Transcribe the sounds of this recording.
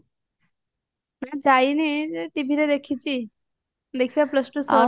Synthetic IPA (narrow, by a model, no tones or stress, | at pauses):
nãd͡zainiʈibʱiɾed̪ekʰit͡ɕiː | d̪ekʰiʋjapləsʈusə